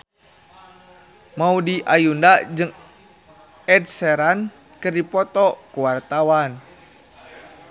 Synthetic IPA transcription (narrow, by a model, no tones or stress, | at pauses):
maudiʔajundaʔd͡ʒɨŋ | ɛd̚sɛɾan | kɨrdipɔt̪ɔkuwart̪awan